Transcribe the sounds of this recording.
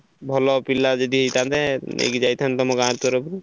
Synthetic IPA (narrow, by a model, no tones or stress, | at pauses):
bʱɔlɔpilːad͡ʒɔd̪iɦejt̪at̪ɛḛkid͡ʒajt̪ʰant̪ɔmɔɡãɾt̪ɔɾɔpɾi